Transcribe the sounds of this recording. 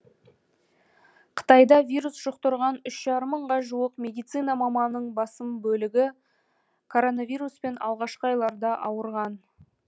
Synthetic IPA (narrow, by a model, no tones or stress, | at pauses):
qʰə̥t̪ɑjd̪ɑvʲijɾusʒ̥ʊqt̪əɾʁɑnʏʃʒ̥ɑɾəmːəɴʁɑʒuwəqmʲe̞d̪ijt̪sɨjnɑmɑmɑnːəɴbɑsəmbɵlɪɡʲɪ | kʰo̞ɾo̞navʲijɾuspe̞nɑ̰lˠʁɑʃqəɑjlˠɑɾd̪ɑʔɑwəɾʁɑn